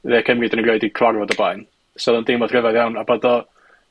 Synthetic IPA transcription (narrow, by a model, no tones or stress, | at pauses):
ðɛkʰəmridənəɡleɨdikʰrarvɔdɔblˠajn | sɛðˠɔndɪmɔd̥rəvaðjawnabɔdɔ